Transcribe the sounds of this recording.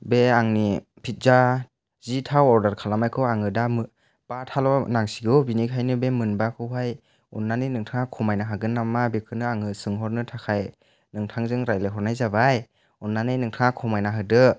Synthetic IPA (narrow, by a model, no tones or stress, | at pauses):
beaŋni | pʰit̚za | zitʰawɔɾdaɾkʰalamajkʰɯwaŋɯdamɯ | b̥atʰalɔnaŋsiɡɯwbinikʰajnɯbemɯnbakʰɯwɦaj | unːanɯjnɯŋtʰɯŋakʰɔmajnaɦaɡɯnːamːabekʰɯnɯaŋɯsɯŋɦɔɾnɯtʰakʰaj | nɯŋtʰaŋzɯŋɾajlɯɦɔɾnajzabaj | unːanɯjnɯŋtʰɯŋakʰɔmajnaɦɯdɯ